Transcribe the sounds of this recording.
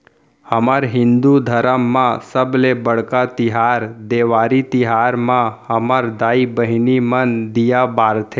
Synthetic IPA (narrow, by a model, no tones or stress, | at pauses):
həmaɾɦɪ̃nd̪ud̪ʱəɾəmːãsəblebəɽkat̪ɪɦaɾd̪eʋaɾit̪iɦaɾmãhəmaɾd̪aibəɦinimənd̪ijabaɾt̪ʰe